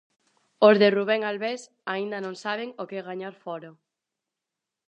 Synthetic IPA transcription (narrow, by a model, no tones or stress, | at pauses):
ozðeruβ̞ɛŋalβes | aind̪ɐnõŋsaβ̞eŋokeɣaɲaɾfɔɾo